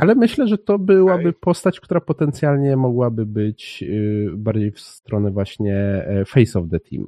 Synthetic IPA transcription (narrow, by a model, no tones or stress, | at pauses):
ʔalɛmɘɕlɛʐɛt̪ɔbɘwabɘpɔst̪at͡ɕk̚t̪uɾapɔt̪ɛnt̪sʲjalɲɛmɔɡwabɘbɘt͡ɕ | baɾd͡ʑejfst̪ɾɔnɛvwaɕɲɛfɛjsɔvd̪ɛt̪ʰʲḭm